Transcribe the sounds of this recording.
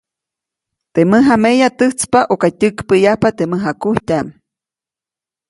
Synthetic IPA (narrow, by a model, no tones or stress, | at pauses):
t̪eməɦamejat̪ɨht͡spaʔokatʲɨkpəjahpat̪eməɦakuhtʲam